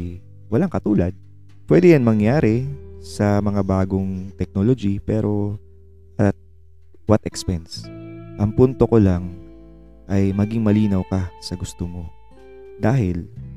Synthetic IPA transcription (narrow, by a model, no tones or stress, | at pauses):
wɐlaŋkɐt̪uːlɐd̪̚ | pwɛd̪ɛjɐnmɐŋjaːɾɛsɐmɐŋabaːɡo̞ŋt̪ɛk̚nolod͡ʒipɛːɾʔo̞ | ʔɐt̪̚ | wɐt̪ʔɛkspɛnsʔɐŋpunt̪o̞ko̞laŋ | ʔɐjmɐɡɪŋmɐliːnɐwkɐsɐɡʊst̪omo | d̪aːɦɪl